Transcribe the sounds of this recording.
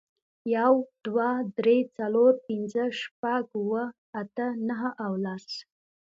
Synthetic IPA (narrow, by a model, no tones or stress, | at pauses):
jawd̪̥wad̪ɾet͡saloɾpind͡zəʂpaɡwə | at̪ənəɦəʔawlas